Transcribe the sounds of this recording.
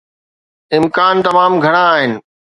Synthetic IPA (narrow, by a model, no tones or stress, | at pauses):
ɪmkaːnt̪ɐmaːmɡʱɐɽ̃ãːɦɪnɪ̆